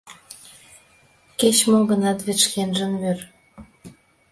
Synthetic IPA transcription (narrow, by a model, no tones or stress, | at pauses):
ket͡ɕmoɣə̆nɑt̪βĕt͡ɕkenʒə̆mmør